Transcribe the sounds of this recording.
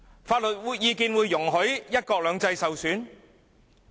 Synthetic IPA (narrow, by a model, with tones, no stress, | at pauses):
faː˧t̚lɵ˨t̚wuː˨˧jjiː˨˧kiː˧nwuː˨˧jːʊ˨˩ŋɦɵ˨˥ɥjɐ˥t̚kɔː˧k̚lœː˨˧ŋt͡sɐ˧jsɐ˨wsyː˨˥n